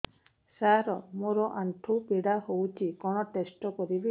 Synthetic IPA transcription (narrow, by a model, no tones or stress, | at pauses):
saɾɔmoɾɔʔaɳʈʰupiɽahowt͡ʃʰikɔɽ̃ɔʈesʈɔkɔɾibi